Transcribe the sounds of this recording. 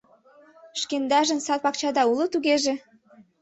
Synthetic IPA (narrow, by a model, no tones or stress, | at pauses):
ʃkend̪ɑʒə̆nsɑt̪̚pɑk̚t͡ɕɑd̪ɑulˠɤ̆t̪uɣeʒe